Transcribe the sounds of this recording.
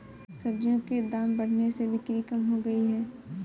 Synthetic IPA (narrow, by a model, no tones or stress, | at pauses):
sɐb̚d͡ʒjõked̪aːmbɐɽ̤nesebʱɪkɾikəmɦoɡɐiɦɛː